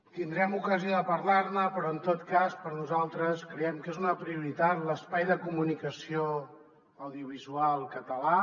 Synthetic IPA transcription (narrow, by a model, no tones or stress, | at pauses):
t̪ind̪ɾɛmukəzioðəpəɾlaɾnəpɾɔənt̪ot̪kaspəɾnuzalˠt̪ɾəskɾəɛmkezunəpɾiuɾit̪at̪ləspajðəkumunikəsio | əwðiuβ̞izualˠkət̪əla